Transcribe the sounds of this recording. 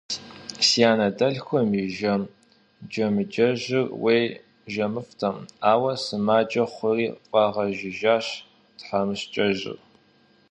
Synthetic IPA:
sijaːnɐdɐɮxʷɔmɪʒɐm | d͡ʒɐmɨd͡ʒɐʑɪrwej | ʒɐmɨftʰɐmaːwɐsɨmaːd͡ʒʼɐχʷʊriːqʼɑʁɐʒɪʒaːɕ | tħamɨɕt͡ʃʼɐʒɪ̰r

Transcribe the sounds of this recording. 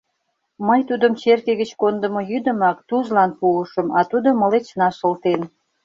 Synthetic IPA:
məjt̪ud̪əmt͡ɕerkeɣət͡ɕkond̪ə̆mojyd̪əmɑkt̪uʒlɑnpuəʃəmɑt̪ud̪oməlet͡ɕnɑʃəlt̪en

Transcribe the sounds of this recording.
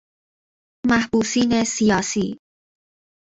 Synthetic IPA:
mæhbuːsiːnesijɒːsiː

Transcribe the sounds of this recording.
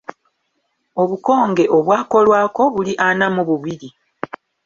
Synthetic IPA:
o̞βuko̞ːŋɡe̞ʔo̞βwaːko̞lwaːko̞βuliʔanamuβuβiɾi

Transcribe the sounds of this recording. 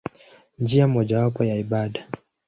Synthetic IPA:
nd͡ʒiamɔʄawapɔjaiɓaɗa

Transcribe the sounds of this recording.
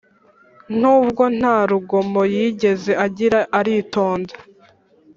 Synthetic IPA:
n̥uːbɡo̞n̥haːɾuɡo̞mo̞jiɟe̞ze̞ʔaɟiɾaʔaɾito̞ːnda

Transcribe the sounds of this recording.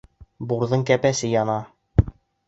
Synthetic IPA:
buɾðɤɴkæpæsɘjɒnɑ

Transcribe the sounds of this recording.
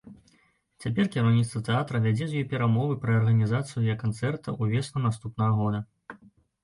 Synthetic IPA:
t͡sʲapʲɛrkʲɛɾɐwnʲit̪t̪vɐt̪ɛat̪ɾɐvʲad͡zʲɛzʲjɔjpʲɛɾamɔvɨpɾɐːrɣɐnʲizat̪sɨjujɐkant̪sɛrt̪ɐʔuvʲɛsnˠɐnast̪upnɐɣɐɣɔd̪ɐ

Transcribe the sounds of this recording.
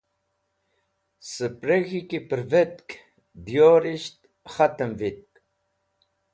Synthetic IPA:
səpɾəɣikipəɾvət̪k | bjoːɾiʃt̪ | χat̪əmvit̪̚k

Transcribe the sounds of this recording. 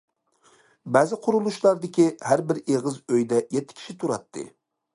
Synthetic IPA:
bæːzɪqʰʊɾulˠuʃlˠɑɾd̪ɪkʲihæɾbɪɾeʁɨzøjd̪ɛjɛt̪ʰːɪ̥kʲʰi̥ʃit̪ʰuɾɑt̪ʰːɨ̰

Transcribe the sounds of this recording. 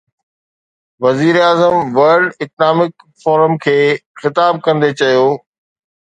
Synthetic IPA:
ʋɐziːɾeaːzəmʋɐɾɖɪknaːmɪk | foːɾəmkʰeːxɪt̪aːb̚kɐ̃nd̪et͡ɕɐjoː

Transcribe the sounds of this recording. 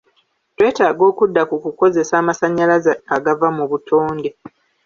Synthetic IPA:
twe̞ːtaːɡo̞ːkudːakukuko̞ze̞saːmasaɲːalazaɡavamuβutʰoːnde̞

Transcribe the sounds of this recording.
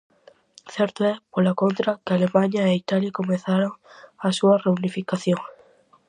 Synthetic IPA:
θɛɾt̪oɛpolakont̪ɾakealemãɲaeit̪aljakomeθaɾoŋasuɐreunifikaθjoŋ

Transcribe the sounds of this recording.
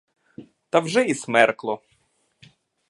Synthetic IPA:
t̪ɐwʒɛismɛrklˠɔ

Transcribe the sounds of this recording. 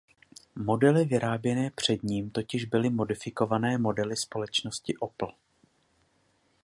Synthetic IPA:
mo̞dɛlɪvɪɾaːbjɛnɛːpr̝̥ɛdɲiːmt̪o̞cɪʒbɪlɪmo̞dɪfɪko̞vanɛːmo̞dɛlɪspo̞lɛt͡ʃno̞scɪʔopl̩

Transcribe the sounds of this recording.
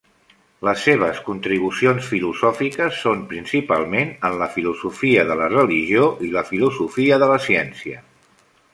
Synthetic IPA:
ləsːeβ̞əskunt̪ɾiβ̞usionsfiluzɔfikəsːompɾinsipalˠmenənləfiluzufiəðələrəliʒioʔiləfiluzufiəðələsiɛnsiə

